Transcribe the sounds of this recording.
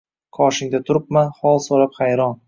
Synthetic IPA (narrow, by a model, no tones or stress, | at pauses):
kʰɒʃɪŋd̪at̪ʰʊɾɪp̚manχɒlˠsɒɾaphajɾɒn